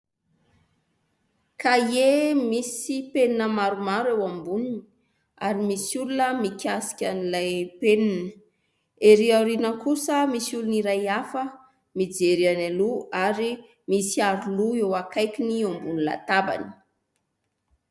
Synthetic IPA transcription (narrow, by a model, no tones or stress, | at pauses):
kajemisipeninəmaɾumaɾewambunini̥ | a̰ɾimisulunəmikʰʲasi̥kʲanilajpeninə̥ | eɾiawɾinəkusəmisuluniɾajafə | mid͡zeɾianaluaɾi | misiaɾuluewakʰajkʲiniambunila̰t̪aba̰ni̥